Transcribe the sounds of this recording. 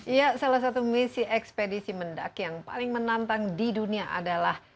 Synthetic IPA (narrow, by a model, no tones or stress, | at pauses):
ijasalahsat̪umisiɛkspedisimənda̰kjaŋpa̰lɪŋmənant̪aŋdiduniaʔa̰dalah